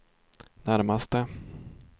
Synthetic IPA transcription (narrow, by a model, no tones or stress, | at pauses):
næɾmast̪ə